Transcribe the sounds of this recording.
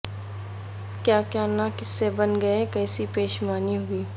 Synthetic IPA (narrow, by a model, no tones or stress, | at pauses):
kjaːkjaːɾnakɪsːebɐnɡɐekɛːsipeːʃmaːniɦʊiː